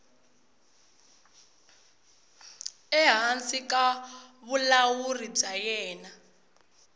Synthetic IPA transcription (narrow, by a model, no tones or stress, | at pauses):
ɛɦansikaβulawurib͡ʐajɛːna